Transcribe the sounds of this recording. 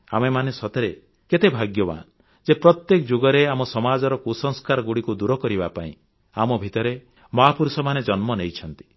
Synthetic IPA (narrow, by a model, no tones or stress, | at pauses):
a̰memanesɔt̪eɾe | ket̪ebʱaɡjɔba̰n | d͡ʒepɾɔt̪jekɔd͡ʒoɡɔɾeamɔsɔmad͡ʒɔɾɔkusɔŋskaɾɔɡuɽikud̪uɾɔkɔɾibapaḭ̃ | amɔbʱit̪ɔɾe | mɔɦapuɾusɔmaned͡ʒɔnmɔnejt͡ʃʰɔnt̪i̥